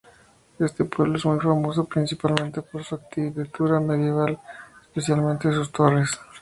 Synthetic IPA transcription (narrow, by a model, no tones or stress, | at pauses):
e̞st̪epwe̞βloezmujfamo̞sopɾinsipalmẽ̞nt̪epoɾsuak̚t̪iβet̪uɾameðje̞β̞alespe̞sjalmẽnt̪es̬ust̪ores